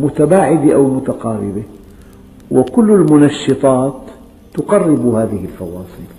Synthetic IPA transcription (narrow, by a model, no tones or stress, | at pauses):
mʊt̪abaːʕɪd̪iʔawmʊt̪aqɑːɾɪ̰bɪ | wɪkʊlːalmʊnɑʃːɨt̪ˤɑːt̪ː | ʊqɑrːɪbhaːðɪhɪlfɑwɑːsˤiːl